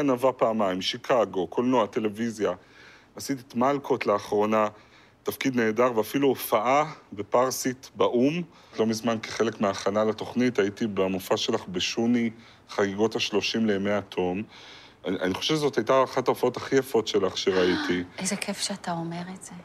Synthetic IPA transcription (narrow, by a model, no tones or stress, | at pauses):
anavapaːmajmʃikʰaɡo̞ko̞lnoate̞le̞vizja | asit̪itmalkʰo̞tleaχʁo̞na | tafkid̪neːdaʁveafiluofaʔabe̞paʁsitbaʔum | lo̞mizmankeχe̞le̞kmeaχanalato̞χnitaitibamufaʃe̞laχbeʃuni | χaɡiɡo̞thaʃlo̞ʃimlemeat̪ʰo̞m | a̰niχo̥ʃevʃezo̞thajtaaχataofao̞taχijafo̞tʃe̞laχʃeʁaitʰiejzekʰefʃeataomeʁetz̥e